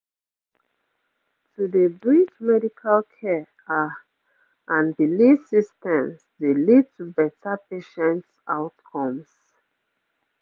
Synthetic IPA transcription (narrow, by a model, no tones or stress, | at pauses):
tʰudəbɹit͡ʃmɛdikʰalkʰɛ | a | ʔãnbilisistɛ̃msdelid̚tʰubɛtapeʃɛ̃nt | aʊtkʰɔ̃ms